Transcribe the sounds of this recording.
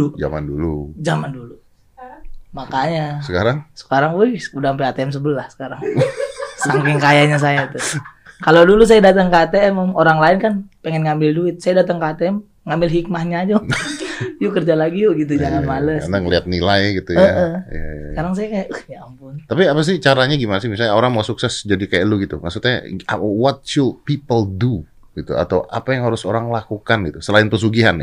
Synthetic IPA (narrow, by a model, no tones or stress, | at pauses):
ud͡ʒa̰ma̰ndulṵd͡ʒamandulu | makaɲasəkaɾaŋsə̥kaɾaŋujhudaɦampeat̪eɛms̬əbəlahsə̥kaɾaŋ | saŋkɪŋkajaɲas̬ajait̪ukalodulus̬ajadat̪aŋkəat̪eɛmmoɾaŋlaɪnkanpeŋɛnŋambɪlduɪt̪̚sajadat̪aŋkəat̪eɛm | ŋambɪlɦik̚mahɲaːd͡ʒo | jukərd͡ʒalaɡijʊɡit̪̬ujd͡ʒaŋanmaləsanaŋəliat̪̚nilajɡit̪uəaəhja̰jaskaɾaŋs̬ajakajaʔəhɲaampʊnt̪apiapas̬ɪht͡ʃaɾaɲaɡimanasɪhmis̬alɲaoɾaŋmasuksɛsd͡ʒadikajaʔluɡit̪umasut̪ɲa̰awɔt̪̚t͡ʃulpipəldu | ɡit̪ṵa̰t̪awʔapajaŋɦaɾʊsoɾaŋlakukanɡit̪usəlaɪnpəs̬uɡiɦanja